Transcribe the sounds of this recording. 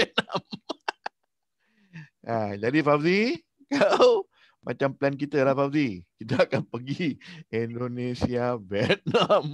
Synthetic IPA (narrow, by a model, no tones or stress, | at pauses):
ɛt̪̚nam | ad͡ʒadifabdi | kaw | mʔa̰t͡ʃamplɛnk̬it̪əlahfabdikit̪aakanpəɡiindonesiavɛt̪̚nam